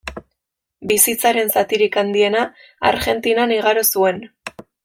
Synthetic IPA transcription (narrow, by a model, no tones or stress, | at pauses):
bisit͡saɾe̞nsat̪iɾikand̪ie̞na̰ː | ɾɣe̞nt̪inaniɣaɾosue̞n